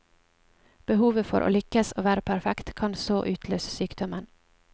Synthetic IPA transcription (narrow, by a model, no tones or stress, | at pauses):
b̥əhuːʋəfɔ̰ɾʔo̰ːlʏkəsoːʋæːɾəpʰæɾfɛkt̪kʰɑnsoːʔʉːt̪ʰløːsəsyːkd̪ɔmən